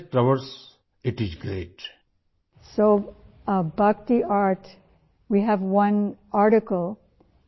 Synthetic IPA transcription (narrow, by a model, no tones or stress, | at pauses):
ʈɾəʋəɾs | ɪʈizɡɾeːʈ | soː | bʌk̚t̪iaːɾʈ | wiɦæʋwʌ̃naɾʈɪkəlˠ